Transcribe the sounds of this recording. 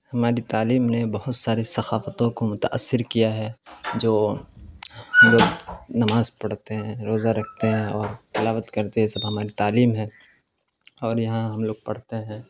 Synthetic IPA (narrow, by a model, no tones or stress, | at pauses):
hɐmaːɾit̪aːliːmnebɐɦʊt̪saːɾesɐxaːfət̪õkomʊt̪a̰ʔəsːɪɾkijaɦɛd͡ʒoː | hɐmloːɡnɐmaːzpɐɽ̤t̪eɦɛ̃ɾoːzaɾɐkʰt̪eɦɛ̃ɔːɾkɪlaːʋət̪kɐɾt̪eɦɛ̃sɐbɦɐmaːɾit̪aːliːmɦɛ̃ː | ɔːɾjɐɦãɦɐmloːɡ̚pɐɽ̤t̪eɦɛ̃ː